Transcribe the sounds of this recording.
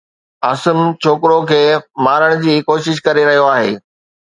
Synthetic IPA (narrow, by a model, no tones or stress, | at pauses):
ɐːsəmt͡ɕʰoːkɪɾokʰeːmaːɾəɽ̃ʊ̆d͡ʑiːkoːʃɪʃ̬kɐɾeɾɐɦijoaːɦḛː